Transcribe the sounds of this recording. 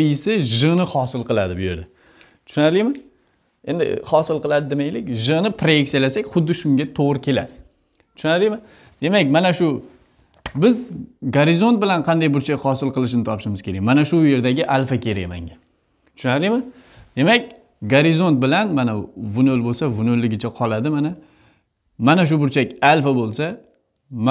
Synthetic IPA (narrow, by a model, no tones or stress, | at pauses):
ɪsɪʒɨnɪhɒsɪlˠqɨlˠad̪ɪbʊje̞̰ɾd̪a | t̪ʰʊ̥ʃʊnaɾlijmɪ | e̞nd̪ɪ̰χɒsɪlˠqʰɨlˠad̪ɪd̪ɪmajlɪkʲʒɨnɪpʰɾajekʲsjalasakʲχʊd̪ːɪʃʊŋɡʲat̪ʰoʁɾɪkʲʰe̞la̰d̪ɪ | t̪ʰʊʃnaɾlijmɪ | d̪̥e̞makʲmanaʃʊ | bɪzɡaɾɪzont̪̚bɪlanqʰɑnd̪ajbʊɾt͡ʃʰakʲhɒsɪlˠqɨlˠɪʃ̬ɪnɪt̪ʰɒpɪʃɪmɪz̥kʲʰe̞ɾa̰jʲmanaʃʊje̞ɾd̪aɡʲɪʔalfakʲʰe̞ɾa̰jma̰ŋɡʲa | t̪ʰʊ̥ʃnaɾɪjmɪ | d̪e̞makʲ | ɡaɾɪzo̞nt̪̚bɪlanmanavʊnolbolˠsavʊnolːɪɡʲɪt͡ʃʰaqʰɒlˠad̪ɪmana | manaʃ̬ʊbʊɾt͡ʃʰakʲalfabolˠsa | m